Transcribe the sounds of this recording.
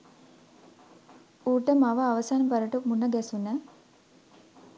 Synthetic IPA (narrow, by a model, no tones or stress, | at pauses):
uːʈəmaʋəaʋəsaːnəbaɾəʈəmunːəɡɛsunə